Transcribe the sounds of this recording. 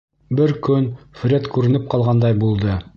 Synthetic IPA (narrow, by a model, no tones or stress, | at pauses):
bɘɾkɵnfɾʲet̪kʉɾɘ̆nɘp̚qɑlˠʁɑnd̪ɑjbulˠd̪ɤ